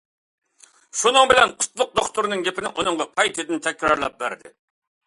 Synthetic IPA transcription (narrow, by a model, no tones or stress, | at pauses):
ʃunɨŋbɪlɛnqʰʊ̥t̪lˠʊq̚d̪oχt̪uɾnɨŋɡʲepʰɪnɪŋonɨŋʁɑpʰɑjt̪ʰɨd̪ɪnt̪ʰɛkʲɾɑɾlˠɑ̰p̚bæɾd̪ɪ̰